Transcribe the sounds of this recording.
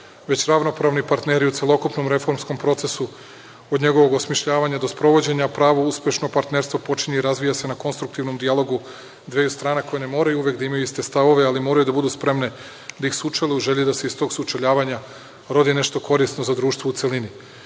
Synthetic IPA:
ʋe̞t͡ɕɾaʋno̞pɾaːʋnipaɾt̪ne̞ɾiut̪selˠo̞kupno̞mɾe̞fo̞ɾmsko̞mpɾo̞t̪se̞su | od̪ɲe̞ɡoʋo̞ɡosmiʃʎaːʋaɲad̪o̞spɾo̞ʋo̞d͡ʑe̞ɲapɾaːʋouspʲje̞ʃnopaɾt̪neɾst̪ʋopo̞t͡ʃiɲeiɾazʋijase̞nako̞nst̪ɾuk̚t̪iʋno̞md̪ijalˠo̞ɡu | d̪ʋejust̪ɾaːneko̞jene̞mo̞ːɾajuuʋje̞kd̪aimajuist̪e̞st̪aʋo̞ʋealimo̞ːɾajud̪abud̪uːspɾe̞mne̞ | d̪aixsut͡ʃaluuʒe̞ʎed̪aseist̪o̞ːɡsut͡ʃaʎaːʋaɲa | ɾo̞d̪ine̞ʃt̪o̞ko̞ɾisno̞zad̪ɾuːʃt̪ʋout̪se̞lini

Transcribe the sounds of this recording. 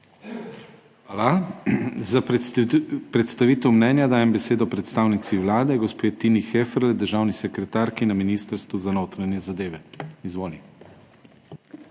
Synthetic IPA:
ala | za | pɾɛt̪st̪aʋiːt̪ɛwmnɛnjad̪aːjɛmbɛseːd̪ɔpɾɛt̪st̪aːwnit̪siʋlaːd̪ɛɡɔspeːt̪inixefɾld̪əɾʒaːwnisɛkɾɛt̪aːɾkinaminiːst̪əɾst̪ʋuzanoːt̪ɾanjɛzad̪eːʋɛizʋoːli

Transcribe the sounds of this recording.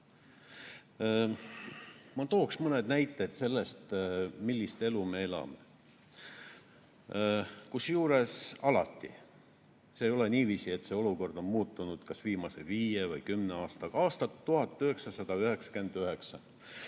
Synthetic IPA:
mɑt̪o̞ːksmɤne̞d̪næjt̪ːˑe̞d̪̥se̞lːe̞st̪milːist̪e̞lume̞e̞lɑ̰me̞̰ | kusjuːɾe̞sɑlɑ̰t̪ːḭ | seːjo̞le̞niːviːsie̞t̪ːˑse̞o̞luko̞rd̪̥o̞nmuːt̪ːˑunud̪̥kɑsviːmɑse̞viːjevɯjkymneɑːst̪ɑ̥ɑːst̪ɑt̪ːuɦhɑt̪ːyhe̞ksɑsɑd̪̥ɑyhe̞ksɑ̥ke̞nd̪̥yɦe̞ksɑ

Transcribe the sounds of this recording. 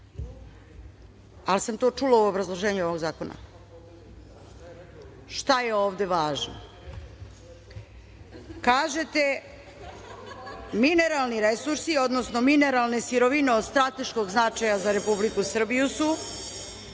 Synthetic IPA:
alisamt̪o̞ːt͡ʂulauobɾazlˠo̞ʒe̞ːɲuo̞ʋo̞ɡzaːko̞na̰ | ʃt̪aje̞o̞ːʋd̪e̞ʋaːʒno̰ | kaːʒe̞t̪e̞ | mine̞ɾalˠniɾesuɾsio̞d̪nosno̞mine̞ɾalˠne̞siɾo̞ʋine̞od̪st̪ɾat̪e̞ʃko̞ɡznat͡ʃajazaɾe̞publikusr̩bijusu

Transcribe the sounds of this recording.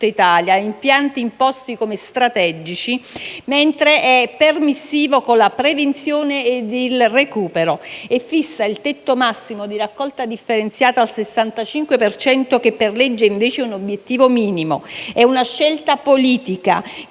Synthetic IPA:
t̪ːait̪aːljaimpjant̪iːmpɔst̪ikomest̪ɾat̪ɛd͡ʒit͡ʃiment̪ɾeʔɛpːermisːiːvokonlapɾevent̪sjoːneːd̪elrekuːpeɾoefːisːailt̪ɛt̪ːomasːimod̪irakːɔlt̪ad̪ifːeɾent̪sjaːt̪aːlsesːant̪at͡ʃiŋkwepert͡ʃɛnt̪okepːerlɛd͡ʒːeiɱveːt͡ʃeunobjet̪ːiːvomiːnimo̰ɛunaʃːɛlt̪apoliːt̪ika̰

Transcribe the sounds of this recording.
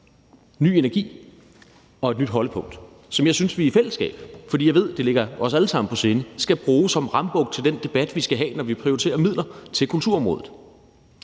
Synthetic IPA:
ny̰ːenæɐɡ̥ḭː | ɒ̽e̝d̥nyd̥ɦɒ̽ləpʰɔ̽ŋ̰d̥ | sɒ̽mjɑ̈ɪsynsʋiifel̰əsɡ̥ɛ̰ːb̥fɒd̥ḭːjɑ̈ɪe̝ð̞̰ˠd̥e̝le̝ɡ̥ɐɒ̽sæləsɑ̈m̰n̩pʰɒ̽se̝nəsɡ̥æb̥ʁuːsɒ̽mʁɑ̈mb̥ɔ̽ɡ̥t͡sʰe̝ld̥end̥e̝b̥æd̥ʋisɡ̥æɦɛ̰ːnɒʋipʰʁiot͡sʰe̝̰ːɐmið̞̰ˠlʔɐt͡sʰe̝lkʰult͡sʰuɐɒ̽mʁɔ̽ːðˠð̩ˠ

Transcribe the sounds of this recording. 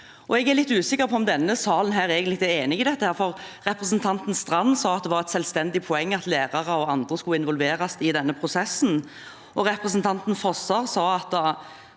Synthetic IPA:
ɔɛɡæʁlɪt̪ːʉːsɪkːəɾpʰɔɔmd̪ɛnːəsɑːlən̩ɦæːɾeːɡənɪt̪eːnɪɡɪd̪ɛt̪ːəhæːɾfɔʁʁɛpʁɛsnt̪ʰɑnt̪n̩st̪ʁɑnːsɑːɑt̪̚d̪ɛʋɑɾɛt̪sɛlst̪ɛnd̪ɪpʰʊɛŋːɑt̪læːʁɑʁəɔɑnd̪ʁəskʉɪnʋɔlʋeːɾɑsɪd̪ɛnːəpʰʁʊsɛsːn̩ | ʔɔʁɛpʁəsnt̪ʰɑnt̪nfɔsɑʁsɑːɑt̪̚d̪ɑ

